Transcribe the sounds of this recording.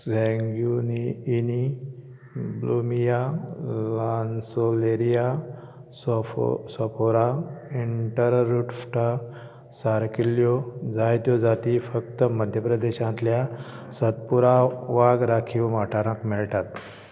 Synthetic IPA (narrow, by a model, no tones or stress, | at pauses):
sɛ̃ŋɡjuniːni | blumijalansoleɾija | ssəpoɾaiɳʈəɾɾuʈfʈa | saɾkiljod͡zajt̪jɔd͡zat̪ifək̚t̪əməd̪ʱjəpɾəd̪eɕãnt̪lja | sət̪̚puɾaʋaɡɾakʰiwmaʈʰaɾakmiɭʈ̪at̪